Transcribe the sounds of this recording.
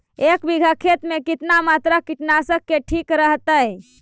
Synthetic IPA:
ekbiɡʱəkʰet̪mekit̪namat̪ɾakiʈnasəkːeʈʰikɾəɦt̪əj

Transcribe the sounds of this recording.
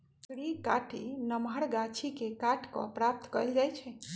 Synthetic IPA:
kɽikaʈʰinəmɦəɾɡat͡ʃʰikekaʈʰkɔ̰pɾap̚t̪kəjld͡ʒajt͡ʃʰɛ

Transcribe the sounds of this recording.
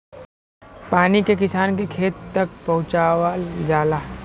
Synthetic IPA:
paːnikekɪsaːnkekʰeːt̪ːɐk̚pɐɦʊ̃t͡ʃaːwad͡ʒaːlaː

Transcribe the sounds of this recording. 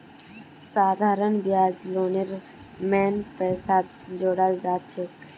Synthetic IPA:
saːd̪ʱaːɾənbjaːd͡ʒloːneɾ | mɛːnpɛːsaːt̪ | d͡ʒoːɽald͡ʒaːt̪t͡ʃʰek

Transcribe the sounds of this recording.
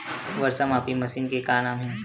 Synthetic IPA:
ʋɐɾsəmaːpimɐsiːnkekaːnaːmɦɛ̃ː

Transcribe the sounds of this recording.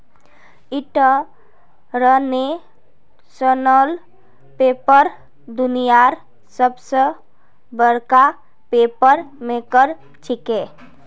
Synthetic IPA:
iʈə | ɾəne | sənəl | pepəɾ | d̪unijaɾ | səbsə | bəɾka | pepəɾmekəɾ | t͡ʃʰike

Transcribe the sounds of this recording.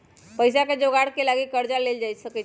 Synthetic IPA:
pəjs̬akad͡ʒoɡaɽkelaɡikəɾd͡ʒaleld͡ʒajsəke

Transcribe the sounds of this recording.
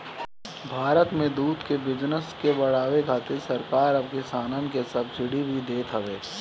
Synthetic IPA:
bʱaːɾət̪mẽd̪uːd̪kebɪd͡ʒnəskebɐɽ̤aːʋeɡʱaːt̪esɐɾkaːɾɐb̚kesaːnənkesɐbd͡ʒɪɽibʱid̪eːt̪ʰɦɐʋeː

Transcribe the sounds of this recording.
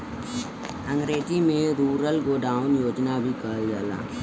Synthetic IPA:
ə̃ŋɡɾeːd͡ʒimẽɾuːɾəlɡoːɖaːʊnjoːd͡ʒnabʱikəld͡ʒaːla̰ː

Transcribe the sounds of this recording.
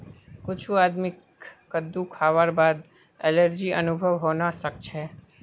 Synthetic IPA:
kʊt͡ʃʰuad̪mɪkː | əd̪ːũkʰaʋaɾbad̪ | ɛləɾd͡ʒiʔə̰nʊbʱəʋɦonaʃək̚t͡ʃʰe

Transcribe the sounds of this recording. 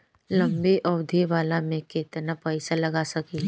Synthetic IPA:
lɐ̃mbiʔɔwd̪ʱiʋaːlamẽkeːt̪napɐɪsalɐɡasɐki

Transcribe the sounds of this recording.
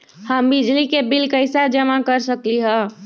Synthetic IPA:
həmbid͡ʒlikebilkəɪsad͡ʒəmakəɾsəkliɦɛ̃

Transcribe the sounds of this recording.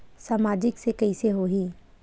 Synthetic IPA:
saːmaːd͡ʒɪksekɐiseɦoɦĩː

